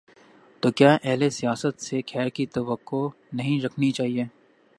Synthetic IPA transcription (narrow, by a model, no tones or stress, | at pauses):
t̪oːkjaːʔɛɦlesijaːsət̪sekʰɛːɾkit̪ɐʋəkːo | nɐɦĩɾɐkʰnit͡ʃaːɦieː